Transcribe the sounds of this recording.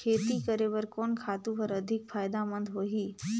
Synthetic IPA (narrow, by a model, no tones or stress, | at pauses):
kʰeːt̪ikəɾeʋəɾkɔːnkʰaːt̪ũpəɾəd̪ʱɪkfaːjd̪amə̃nd̪ɦoːɦiː